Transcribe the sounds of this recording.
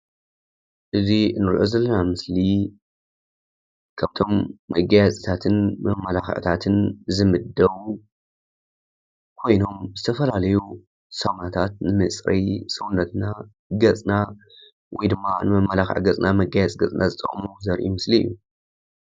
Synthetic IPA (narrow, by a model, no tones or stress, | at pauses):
ʔɨzinːɨɾʔozɐlːɐnamɨsli | kʰaβt̪ʰo̞mːɐɡajat͡sʼit̪ʰat̪ʰɨnmɐmɐlaxʕt̪ʰat̪ʰɨnzɨmɨd̪ɐβu | kʰo̞jno̞mzɨt̪ʰɐfɐlalɐju | sɐmnat̪ʰat̪̚nɨmɨt͡sʼɾɐjsɨwunːɐt̪na | ɡɐt͡sʼna | wɔjd̪ɨmːanɨmɐmɐlaxʕ̰ɡɐt͡sʼnamɐɡajɛt͡sʼɡɐt͡sʼnazɨt̪ʼɐ̰χʼmuzɐɾʔimɨsliɨ̰jːu